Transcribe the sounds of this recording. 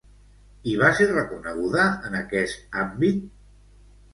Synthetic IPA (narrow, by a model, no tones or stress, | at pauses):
iβaserəkunəɣ̞uðəənəkɛst̪ambit̪